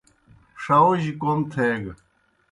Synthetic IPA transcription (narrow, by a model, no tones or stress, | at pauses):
ʂɐwʑikont̪ʰeɡ